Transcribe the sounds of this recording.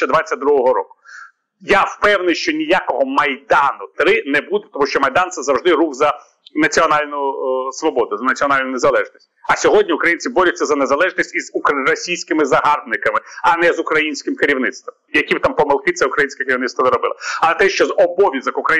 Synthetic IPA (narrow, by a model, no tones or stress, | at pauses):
ɐd̪ʋat͡sʲːɐt̚ʲd̪ɾuɦɔɦɔɾɔ̰kʊ̥ | jawpɛwnɪjʃt͡ʃɔnʲijakɔɦɔmɐjd̪ɑnʊt̪ɾɪnɛbud̪ɛt̪ɔmuʃʲt͡ʃɔmɐjd̪ɑnt̪sɛzɐwʐd̪ɪɾuɣzɐ | nɐt͡sʲiɔnɑlʲnʊsʋɔbɔd̪ʊzɐnɐt͡sʲiɔnɑlʲnʊnezɐlˠɛʒnʲisʲtʲɐsʲɔɦɔdʲnʲiukɾɐjinʲt͡sʲibɔɾʲʊtʲt͡sʲːɐzɐnezɐlˠɛʒnʲisʲtʲizukrɔsʲijsʲkɪmɪzɐɦɑrb̪nɪkɐmɪɐnɛzʊkɾɐjinʲsʲkɪmkɪɾʲiwnɪt̪st̪ʋɔmjɐkʲibt̪ɑmpɔmelˠkɪt̪sɛʊkɾɐjinsʲkʲɛkeɾʲiwnɪt̪st̪ʋɔʋ̪ɪɾɔbɪ̰lˠɪɐlˠɛt̪ɛʃt͡ʃɔzɔbɔʋʲizɐkukɾɐ